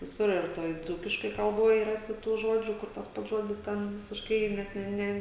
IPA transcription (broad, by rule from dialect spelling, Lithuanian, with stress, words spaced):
ʋʲɪˈsʊr ɪr ˈtoːj ˈd͡zuːkʲɪʃkoːj kɐlˠˈboːj ˈrɑːsʲɪ tuː ˈʒoːd͡ʒʲuː ˈkʊr tɐs ˈpɐts ˈʒoːdʲɪs ˈtʲɛn ʋʲɪsʲɪʃˈkɐɪ ˈnʲɛt nʲɛ ˈnʲɛ